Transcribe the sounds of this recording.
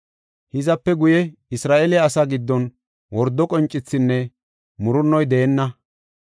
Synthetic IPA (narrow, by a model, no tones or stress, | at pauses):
hɪzɐpːɛɡʊjɛɪsɾaːʔelɪɐsaːɡɪd̪ːɔn | wɔɾd̪ːɔkʼɔnt͡ʃʼːɪt͡sːɪnːɛ | mʊɾʊnːɔjd̪ɛːnːɐ